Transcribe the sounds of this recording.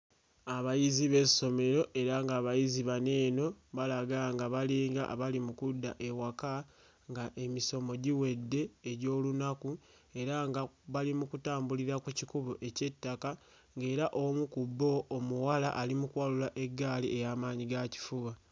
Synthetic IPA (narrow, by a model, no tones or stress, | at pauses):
aβajiziβe̞so̞me̞ɾo̞ʔe̞ɾaŋɡaːβajiziβane̞ːno̞βalaɡaŋɡaβaliːŋɡa̰βalimukudːaʔe̞waka | ŋɡaʔe̞miso̞mo̞ɟiwe̞dːe̞ːɟo̞ːlunaku | e̞ɾaŋɡaβalimukutaːmbuliɾakucikuβoʔe̞ce̞tːaka | ŋɡe̞ːɾaʔo̞mukubːo̞ːmuwala̰ʔalimukwalulaʔe̞ɡːaːliʔe̞jaːmaːɲiɡaci̥fuɡa